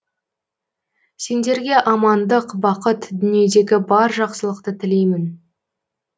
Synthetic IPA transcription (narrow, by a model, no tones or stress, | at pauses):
se̞nd̪e̞ɾɡʲe̞ʔɑmɑnd̪əqbɑqət̪d̪ʏnije̞d̪e̞ɡʲɪbɑɾʒɑqsəlˠəqt̪ət̪ʰɪle̞jmɪn